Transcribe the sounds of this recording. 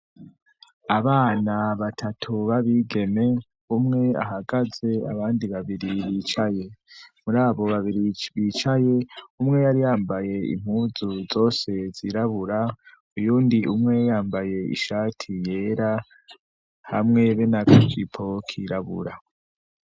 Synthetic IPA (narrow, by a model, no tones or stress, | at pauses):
aβaːnaβatʰatʰuβaβiɡe̞me̞ | umŋe̞a̰ɦaɡaze̞a̰βaːndiβaβiɾiβit͡ʃaje̞muɾaːβo̞βaβiɾiβit͡ʃaje̞umŋe̞jaɾijaːmbaje̞ḭm̥huːzuzo̞ːse̞z̥iɾaβuɾa | ujuːndiʔumŋe̞jaːmbaje̞ḭʃaːtʰije̞ːɾa | hamŋe̞βenakʰikipʰo̞kʰiɾaβṵɾa